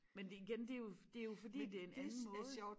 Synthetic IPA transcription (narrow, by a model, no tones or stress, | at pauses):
mend̥eiɡ̥end̥e̝jo̝d̥e̝æjo̝fɒd̥ḭːd̥e̝æenænn̩mɔ̽ːð̩̰ˠ